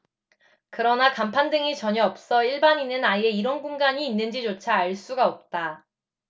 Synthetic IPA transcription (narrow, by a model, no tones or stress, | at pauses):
kɯɾʌnakampʰandɯŋit͡ɕʌɲʌʌp̚s͈ʌiɭbaɲinɯnaie̞iɾʌnɡuŋɡaɲiːnːɯnd͡ʑit͡ɕot͡ɕʰaːɭs͈uɡaʌp̚t͈a